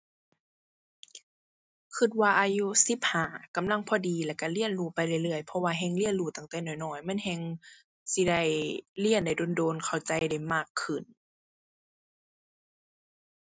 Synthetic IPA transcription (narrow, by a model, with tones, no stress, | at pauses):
kʰɯ˧t̪̚waː˧ʔaː˧ju˧˥si˧˦p̚haː˨˩˦ka˧˨mla˧˥˨ŋpʰɔː˧diː˧˦lɛ˧˩ka˧˨li˧˥ənluː˧˩pa˧˨jla˧˩˨jlɯ˧˩əjpʰɔ˧waː˧ɦɛ˧ŋli˧˨ənluː˧˩t̪a˧˩ŋt̪ɛː˧˩nɔː˨˩jnɔː˧˩jmɛ˧˥˨nhɛ˧ŋ | si˧˦da˧˩jli˧˥ənda˧˩jdoː˧˦ndoː˧nkʰa˨˩wt͡ɕa˧˦jda˧˩jmaː˧˩kʰːɯ˧˨˩n